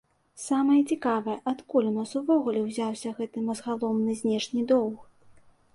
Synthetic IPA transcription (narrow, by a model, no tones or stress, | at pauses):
samɐjɐt͡sʲikavɐjɐʔat̪kulʲmɐsuvɔɣulʲɛwzʲawsʲɐɣɛt̪ɨmɐzɣalˠɔmnɨzʲnʲɛʂnʲid̪ɔw̪x